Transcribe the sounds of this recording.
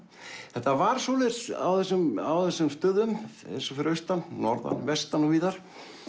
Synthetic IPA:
θɛht̪avaɾ̥solɪɾsa̰wθɛsːʏmawθɛsːʏmst̪œːðʏmḛjnsɔfɪɾœɥst̪annɔɾða̰nvɛst̪anuviːðaɾ̥

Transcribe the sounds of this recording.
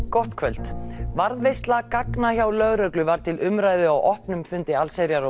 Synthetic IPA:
kɔht̪kʰvœl̥t̪vaɾðvejst̪lakaknaçawlœɣɾœklʏvaɾ̥t̪ʰɪlʔʏmɾaːjðʏawʔɔhpnʏmfʏnt̪ɪalseɾjaɾɔ

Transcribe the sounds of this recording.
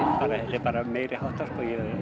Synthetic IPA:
paːɾaɛsɛpɑːɾameːjɾɪhawht̪askɔjɛ

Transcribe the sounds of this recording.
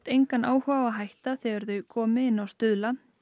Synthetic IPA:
t̪ejŋkanaːwhaːvaɦajht̪aθɪɛɾðʏkʰɔːmɪɪnːawst̪ʏðla

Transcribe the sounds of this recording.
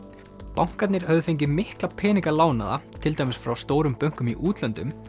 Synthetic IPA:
pawŋ̥kaɾt̪nɪɾ̥hœvðʏfeɲcɪmɪhklapʰɛːniŋkalaːwna̰ða̰t̪ʰɪlt̪ajmɪsfɾawst̪oːwɾʏmpœŋ̥kʏmiʔuːt̪lœnt̪ʏm

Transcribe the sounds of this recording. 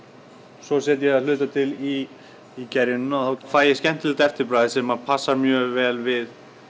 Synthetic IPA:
sɔsɛt̪jɛɣaðlʏːt̪at̪ʰɪliː | cɛɾjɪnʏmaθawfaːjɪscɛn̥t̪ʰɪlt̪ɛft̪ɪpɾaːðɪsɛmapʰasːaɾmjœːɣvɛːlvɪð

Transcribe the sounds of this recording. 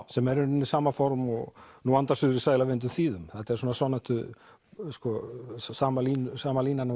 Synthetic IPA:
sɛmɛɾʏnʏnisaːmafɔɾmɔɣnuant̪asʏðʏɾisaːjlavɪnt̪̬ʏmθiːðʏmθɛht̪aɛɾsuːnasanɛt̪ʏ | skɔsaːmaliːnsaːmaliːnana

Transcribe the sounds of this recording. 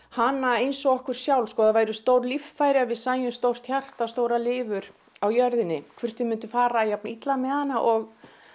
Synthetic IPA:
hanːaejnsɔɣɔhkʏɾ̥sjawlskɔːðavajɾʏst̪owɾlift̪faːjɾɪavɪðsaːjʏmst̪owr̥t̪çjar̥t̪ast̪oːwɾalɪːvʏɾ | awjœɾðɪnːɪkʰv̥ʏr̥t̪vɪmʏnt̪ʏfaːɾajap̚nait̪lamɛhanːaʔɔɣ

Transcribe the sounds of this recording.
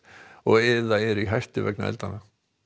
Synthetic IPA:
ɔɣɛðaɛɾiɦajr̥t̪ɪvɛ̰knaɛ̰lt̪anːa

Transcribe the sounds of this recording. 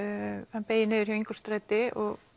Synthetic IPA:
hanpeːjɪnɪːðʏɾ̥jɛviŋkɔ̥st̪ɾaːjt̪ɪɔɣ

